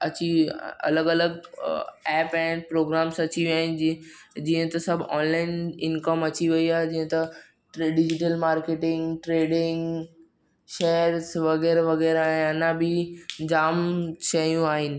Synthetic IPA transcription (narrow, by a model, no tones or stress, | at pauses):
ɐt͡ɕiɐ̰ləɡɐləɡ | ɛːpɛ̃pɾoːɡɾaːmsɐt͡ɕiʋiaːɦɪnɪd͡ʑiːə̃t̪ɐsɐbʱɔːnlaːɪnɪnkəmɐt͡ɕiʋɐiaːɦed͡ʑiːɦə̃t̪ɐ | ʈɖɪd͡ʑɪʈ̬əlmaːɾkeːʈɪ̃ŋɡʈɾeːɖɪ̃ŋɡ | ʃeːəɾsʋɐɣɛːɾeʋɐɣɛːɾaːɦẽɐnãbʱɪd͡ʑaːmʃɐjũaːɦɪnɪ̆